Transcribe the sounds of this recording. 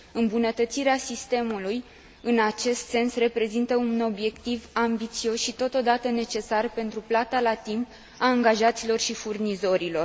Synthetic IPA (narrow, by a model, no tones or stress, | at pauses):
ɨmbunət̪ət̪siɾeasist̪e̞muluj | ɨnat͡ʃe̞st̪se̞nsre̞pɾe̞zint̪əuno̞bje̞kt̪ivambit̪sio̞sʃit̪o̞t̪o̞d̪at̪əne̞t͡ʃe̞sarpe̞nt̪ɾuplat̪alat̪imp | aːŋɡaʒat̪silo̞rʃifurnizo̞ɾilo̞r